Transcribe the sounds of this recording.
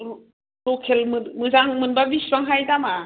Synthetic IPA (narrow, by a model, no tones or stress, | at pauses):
ɾɔkʰelmɯmɯzaŋmɯnbabiswaŋɦajdama